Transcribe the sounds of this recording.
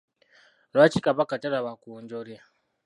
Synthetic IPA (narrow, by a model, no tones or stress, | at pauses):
ɾat͡ʃikaβakataɾaβakuɲɟoɾja